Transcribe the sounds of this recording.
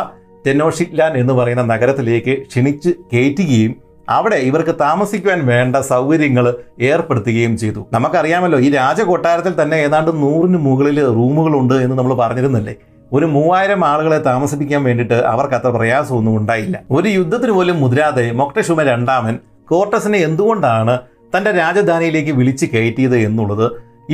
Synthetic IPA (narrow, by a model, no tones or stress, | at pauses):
t̪eno̞ːʂilːaːne̞nːɨpɐrɐjunːɐnɐɣɐɾɐt̪ːile̞ːkːɨʂiɳit͡ɕːɨke̞ːtːuɣɐjum | ɐ̰ʋiɽe̞iʋɐrkɨt̪aːmɐsikʲːuʋaːnʋe̞ːɳɖɐsɐwɣɐɾjɐŋːɐɭe̞ːrpeɽut̪ːuɣɐjumt͡ɕe̞jt̪ːunɐmɐkːɐrijaːmɐlːo̞ːiːɾaːd͡ʑɐko̞ʈːaːɾɐt̪ːilt̪ɐnːe̞eːðaːɳɖɨnuːrinɨmuɣɐɭilruːmuɣɐɭuɳɖɨe̞nːɨnɐmːɐɭpɐrɐɲːiɾunːɐlːe̞̰ː | o̞ɾumuːʋaːjiɾɐmaːɭuɣɐɭet̪aːmɐsip̬ːikʲːaːnʋe̞ːɳɖiʈːɨʔɐ̰ʋɐrkɐt̪ːrɐprɐjaːsɐmonːumuɳɖaːjilːɐ̰o̞ɾujud̪ʱːɐt̪ːinɨpo̞ːlumːuðiɾaːðe̞mo̞kʈɐɕumɐɾe̞ɳɖaːmɐn | ko̞ːrʈːɐsineend̪uɣo̞ɳɖaːɳɨ | t̪ɐnde̞ɾaːd͡ʑɐd̪ʱaːnijile̞ːk̬ːɨʋiɭit͡ɕːɨkeɻʈːijɐðɨe̞nːuɭːɐðɨ